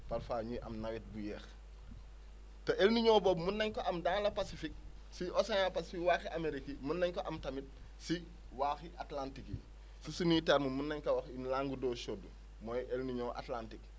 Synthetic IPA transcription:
pɐlfaːɲuʔɐ̰mnɐwɛt̚bujɛːx | tɐʔelniɲoːbɔːbmunːɐɲkoʔɐmdaːŋlɐpasifik̚ | siʔosanapasifikwaːxiʔameɾikimunːɐɲkoʔɐmtɐmit̚ | si | waːxiʔatlantikḭ | sisuniːtaɾmumunːɐɲkɐwɐxinlaːŋɡudoːʃodu | mojʔelniɲoːʔa̰tlantik

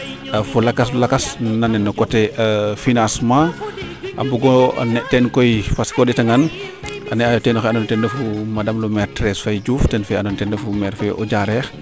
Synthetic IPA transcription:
fulɐkɐslɐkasnanɛnːɔkɔtɛfinãsmã | ʔambuɡɔ̰nɛʔtɛnkɔjfaskɔditɐŋanʔɐnɛajɔtɛːnɔxanɔntɛndɐfumadɐmlumɛɾtɾɛsfajd͡ʒuːftɛnfɛanɔntɛndɛfumɛːɾfɛʔɔ̰d͡ʒaɾɛːx

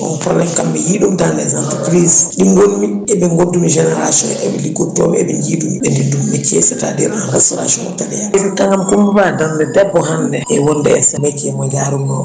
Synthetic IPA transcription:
ɔ̰nfɔlːakambɛjiɗumtanɛzantukɾisɗiŋɡolmiɛbɛŋɡodumiʒɛnɛɾa̰sɔ̰̃nɛ̰bɛlikutɔ̰bɛbɛnjiːdumiɛndidumːɛkesɛta̰dɛ̰ɾanɾasɔɾa̰sɔ̰nɔ̰tabɛjasitaŋamkumibadandɛdɛbɔɦandɛɛwɔndɛɛ̰samɛkiɛmɔd͡ʒaɾumɔ

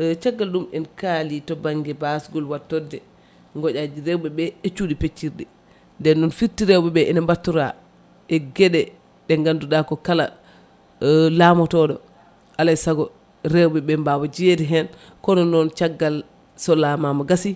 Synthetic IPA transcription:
t͡ʃaɡːalɗumɛnkalitɔbaŋɡɛbasɡɔlwatːɔdɛ | ŋɡɔd͡ʒad͡ʒiɾɛwɓɛɓɛt͡ʃuɗipet͡ʃːiɾdɛ | ndɛnɗunfiɾtiɾɛwbɛɓɛʔɛnɛmbatːuɾa | ʔɛɡɛɗɛ | ɗɛŋɡanduɗakɔkala̰ | lamɔtɔɗɔ | ʔalajsaɡɔ | ɾɛwɓɛɓɛmbawad͡ʒiedɛɦɛn | kɔnɔnːɔnt͡ʃaɡːal | sɔlamamaɡasi

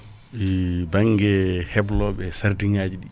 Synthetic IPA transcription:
ibaŋɡɛhɛblɔɓɛsaɾdiŋaːd͡ʒiɗi

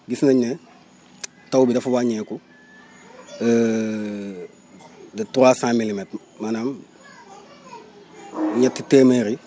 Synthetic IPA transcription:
ɡisnaɲɛ | tawbidafubaɲɛːku | dituɾaːsãmilimet | manam | ɲatːiteːmeɾi

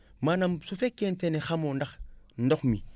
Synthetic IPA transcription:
manamsufekːentenixamondaxndoxmi

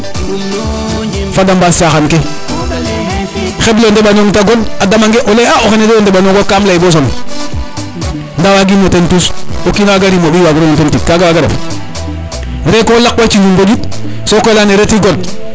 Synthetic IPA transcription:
fadambasaxanke | xeblondebanoŋtaɡonadamaŋɡeʔoleaoxenedoondebanoɡokaːmlaibos̬on | ndawaɡimotentusokinawaɡaɾimobiwaɡɾomotentiskaɡawaɡaɾa̰f | ɾekolakwat͡ʃiɲumbod͡ʒut̚ | sokolaneɾetiɡod

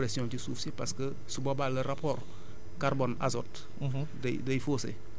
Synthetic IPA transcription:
pɾesiɔ̃t͡ʃisuːfsipaskə | subobaləɾapor | kaɾbona̰zɔt | d̰ | dəjfoːsḛ

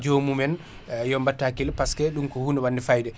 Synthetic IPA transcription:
d͡ʒomumɛn | jɔmbatːakilpaskɛɗumkɔhuːnɛwanːdifajdɛ

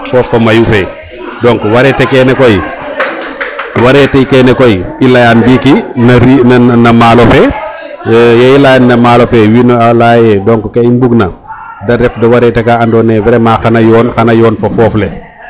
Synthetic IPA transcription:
fɔːfːomajufe | dɔŋkwaɾɛtekɛnekoj | waɾɛteikɛnekojilajanbikinaɾinanamalofe | jailajanːamaːlofɛwinalajedɔŋkkeimbuɡnɐ | daɾɛfdɔwaɾɛtɛkaandɔːnɛbɛɾɛmaːxanajɔːnxanajɔːnfofɔːfle

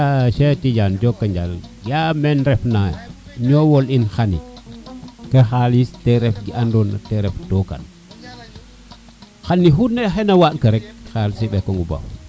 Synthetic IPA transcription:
aʃetid͡ʒand͡ʒɔkːɐɲd͡ʒalɡamɛnɾɛfna | ɲɔwɔlinxanḭ | kexalistɛɾɛfɡiandona̰tɛɾɛftɔka̰n | xanːiɦunɛxɛnɐwatkɐɾɛk̚xalisiɓɛkoŋɡuba̰w

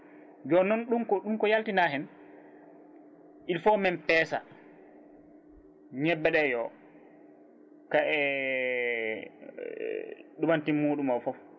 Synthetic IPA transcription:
d͡ʒɔnːɔnɗumkɔɗumkɔjaltinaɦɛn | ʔilfɔmɛnpɛːsa̰ | ɲɛbːɛɗɛjɔ | kaʔɛ | ɗubantimːuːɗumɔfɔf

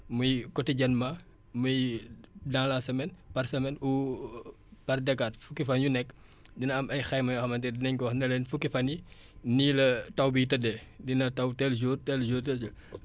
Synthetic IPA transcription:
mujkɔtiɟɐnma | mujdaŋlasɐmɛnpɐrsɐmɛnu | pɐrdɐkːatfukːifɐnjunɛkː | dinɐɐmɐjxɐjmɐjɔxɐmɐntɛdinɛɲkwɔxnɛlɛnfukːifɐni | nilɐtɐwbitɐdɛdinɐtɐwtɛld͡ʒuːrtɛld͡ʒuːrtɛt͡ʃɐ

